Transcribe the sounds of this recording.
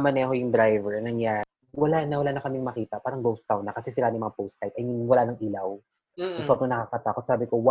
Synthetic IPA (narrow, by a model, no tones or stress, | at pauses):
mɐnɛɐɦojʊŋd̪ɾajvɛɹnɐŋjaː | wɐlanɐwɐlaːnɐkɐmɪŋmɐkiːt̪ɐpaːɾɐŋɡowst̪awnːɐkɐsɛsɪlanɪmɐŋapowst̪ːajt̪ɐjnɪwɐlanɐŋʔiːlaw | sʊŋsɐʔot̪̚ŋɐnɐkakɐt̪aːkot̪saːbɪkowa